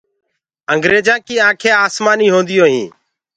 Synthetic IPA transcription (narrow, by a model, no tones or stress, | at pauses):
əŋɡɾeːd͡ʒãːkiːãːkʰeːaːsmaːniːɦõːnd̪ɪjõːɦḭ̃ː